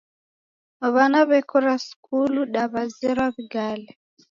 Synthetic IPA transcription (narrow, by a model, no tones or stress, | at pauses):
aβanaβɛkʰɔɾaskuluɗaβazɛɾaβiɡalɛ